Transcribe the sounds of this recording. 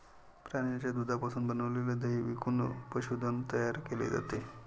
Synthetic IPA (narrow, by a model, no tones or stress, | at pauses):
pɾaɽjat͡ɕjad̪ud̪ʱapasuːnbənəʋleləd̪əɦiʋikunpəɕud̪ʱənt̪əjaɾkelḛd͡za̰t̪e